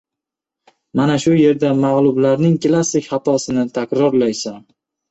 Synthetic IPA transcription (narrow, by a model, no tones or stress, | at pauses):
manaʃʊje̞ɾd̪amaʁlˠʊblaɾnɪŋklˠasːɪkʲχat̪ʰɒsɪnɪt̪ʰakʲɾɒɾlajsam